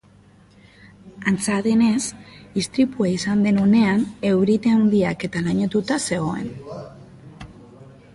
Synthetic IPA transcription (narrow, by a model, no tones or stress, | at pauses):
ant͡saðe̞ne̞sist̪ɾipuaisand̪e̞none̞ane̞wɾit̪eand̪iake̞t̪alaɲet̪ut̪ase̞ɣo̞e̞̰n